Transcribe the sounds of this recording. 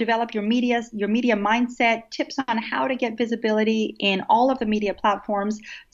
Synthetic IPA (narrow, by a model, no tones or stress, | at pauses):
ɨvɛlˠəpjə˞miɾiɨjə˞miɾiɨmãɪ̃nd̥sɛtʰɪpsn̩haʊɾɨɡɛtvɪzɨbɪlˠəɨɾiɪ̃nɔlˠʌvðɨmiɾiɨpʰl̥ætfɔɹmz̥